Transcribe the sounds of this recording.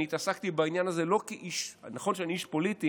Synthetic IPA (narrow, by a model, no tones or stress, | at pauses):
iːt̪asakt̪ibainjanaze̞lo̞kiʔiʃnaχo̞nʃeaniiʃpo̞lit̪i